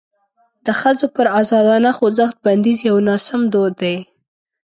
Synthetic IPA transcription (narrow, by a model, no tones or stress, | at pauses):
d̪̥əxəzopəɾazɑd̪ɑnaxozaxt̪̚band̪izjawnɑsamd̪od̪ːaj